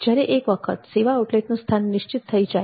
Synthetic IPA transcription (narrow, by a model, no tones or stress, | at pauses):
d͡ʑjaɾeʔekʋəkʰə̰t̪seʋaʈleʈnũst̪ʰanːiʃt͡ɕit̪ʰːəid͡ʒa